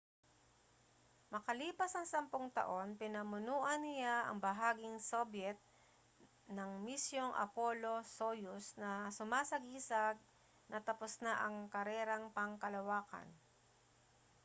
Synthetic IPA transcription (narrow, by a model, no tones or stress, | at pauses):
mɐkɐliːpɐsɐŋsɐmpoŋt̪ɐ̰ʔo̞npɪnɐmʊnuːʔɐnːɪjaʔɐ̰ŋbɐɦaːɡɪŋsobjɛt̪̚ | nɐŋmisjoŋʔɐ̰polosojʊsnɐsʊmaːsɐɡiːsaɡ̚ | nɐt̪ɐposnaʔɐŋkɐɾɛːɾɐŋpɐŋkɐlɐwaːkɐ̰n